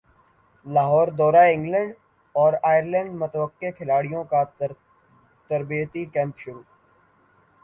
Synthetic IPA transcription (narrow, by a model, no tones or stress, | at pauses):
laːɦɔːɾd̪ɔːɾaɪ̃ŋɡlə̃ɳɖ | ɔːɾaːjəɾlɛ̃ɳɖmʊt̪əʋəqːekʰɪlaːɽijõka | t̪əɾbijət̪ikɛ̃ːmpʃʊɾuː